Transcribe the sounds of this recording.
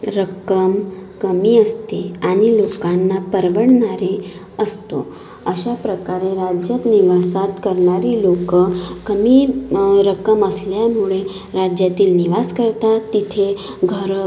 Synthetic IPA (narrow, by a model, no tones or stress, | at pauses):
ɾəkəmkəmiəst̪eanilokanːapəɾʋəɽnaɾe | əst̪o̰ | əʃapɾəkaɾeɾad͡ʒjət̪niʋasat̪kəɾnaɾilokkəmiɾəkəməsljamuɭe | ɾad͡ʒjat̪iːlniʋaskəɾt̪at̪it̪ʰe | ɡʱəɾ